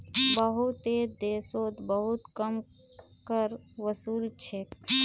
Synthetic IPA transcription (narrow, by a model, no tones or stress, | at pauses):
bəɦut̪ed̪eːsoːt̪bəɦut̪kəm | kəɾ | ʋəsuːlt͡ʃʰek̚